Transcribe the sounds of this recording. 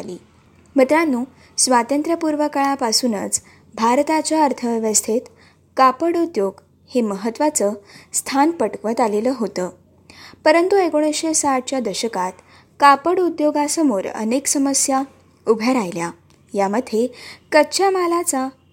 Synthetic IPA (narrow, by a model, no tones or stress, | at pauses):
liː | m̤ət̪ɾãnːu | sʋat̪ənt̪ɾəpuɾʋəkəɭapasuːnə̰t͡s | bʱaɾt̪at͡ɕaəɾt̪ʰəʋəst̪ʰet̪ | kapəɽud̪joɡ | heməɦət̪ːʋat͡səst̪ʰanpəʈkʋət̪aleləɦot̪əː | pəɾənt̪uekoɽ̃eɕesaʈ̚ʰt͡ɕjad̪əɕəkat̪ | kapəɽud̪joɡasəmoɾə̰neksəməsja | ubʱaɾajlja | jaməd̪ʱːekətt͡ɕʰjamalat͡sa